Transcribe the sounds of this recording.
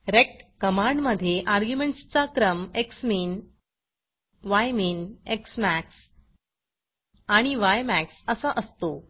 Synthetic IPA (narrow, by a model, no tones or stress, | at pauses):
ɾek̚ʈkəmaɳɖməd̪ʱːjeʔaɾɡjumeɳʈst͡sakɾəmeksmiːn | ʋajmiːneksmæks | aɽ̃iʋajmæksəsaʔəst̪o